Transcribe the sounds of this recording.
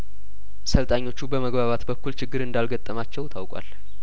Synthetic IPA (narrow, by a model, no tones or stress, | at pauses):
səlt̪ʼaɲːo̞t͡ʃːubəməɡβaβat̪bəkːult͡ʃɪɡːɨɾɨnd̪alɡət̪ʼːəmat͡ʃːɛwt̪ʰawkʼa̰l